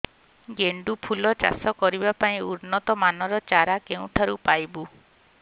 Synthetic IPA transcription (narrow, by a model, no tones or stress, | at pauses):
ɡeɳɖupʰulɔt͡ʃa̰sɔkɔɾibapaĩuɾnɔt̪ɔmanɔɾɔt͡ʃaɾakeũʈ̪ʰaɾupajbu